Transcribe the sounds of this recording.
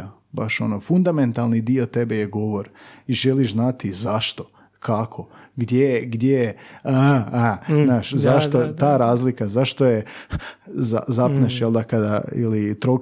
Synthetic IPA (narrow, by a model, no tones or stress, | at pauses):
a | baʃo̞̰nofund̪ament̪alˠnid̪iot̪e̞be̞jeɡo̞ʋo̞ɾiʒeliʃznat̪izaʃt̪o̞ | kʰakʰo̞ɡd̪jejɡd̪jeje | aznaːʃzaʃt̪ot̪aːɾaːzlikazaʃt̪o̞je | za̰zapneʃjelˠd̪akad̪aḭlit̪ɾo